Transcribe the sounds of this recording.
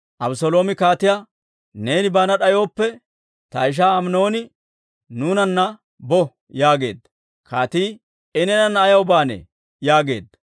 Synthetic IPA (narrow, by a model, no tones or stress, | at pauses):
ʔɐbʊsɔlo̞ːmɪkaːt̪ɪja | ne̞ːnɪbaːnɐɗɐjo̞ːpːɛ | t̪ɐɪʃ̬aːmno̞ːnɪ | nuːnɐnːɐ | bɔ | jaːɡe̞̰ːd̪ːɐ | kʰaːt̪iː | ɪnɛnɐnːɐːjɐwʊbaːnɛ̰ | jaːɡe̞̰ːd̪ːɐ̥